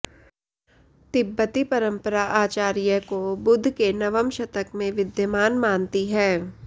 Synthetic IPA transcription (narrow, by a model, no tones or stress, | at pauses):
t̪ɪbːət̪ipɐɾə̃mpəɾaʔaːt͡ʃaːɾijəkobʊd̪ʱkenɐʋəmʃɐt̪əkmẽʋɪd̪jəmaːnmaːnt̪iɦɛː